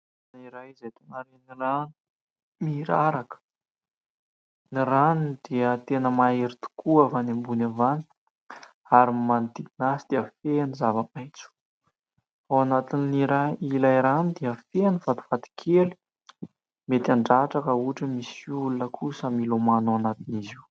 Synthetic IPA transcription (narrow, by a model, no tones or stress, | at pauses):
niɾajizajt̪onaɾeniɾan | miɾaɾakə̥ | niɾanid̪iət̪enəmaeɾit̪u̥kʰuavanembunavani̥ | aɾimand̪iɡinasid̪̥iəfenizavəmajt͡su̥ | awanat̪iniiɾailajɾanid̪iəfenivat̪u̥fat̪i̥kʰeli̥ | met̪aɳɖ͡ʐaʈ͡ʂakəuʈ͡ʂəmisulunəkʰusəmilomanuanat̪iniziw